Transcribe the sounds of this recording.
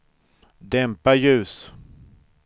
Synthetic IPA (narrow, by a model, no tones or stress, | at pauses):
d̪ɛmpajʉ̟ːs